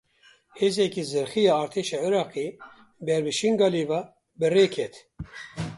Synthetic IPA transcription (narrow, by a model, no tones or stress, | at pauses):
heːzɛkizɨɾxijɑːɾt̪ʰeːʃɑːʕiɾɑːqeː | bɛɾbɨʃiŋɡɑːliːvɑ | bɨreːkʰɛt̪